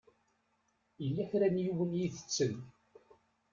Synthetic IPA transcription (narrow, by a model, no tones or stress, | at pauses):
əlːæçɾænjuwənjiθə̥t͡sːən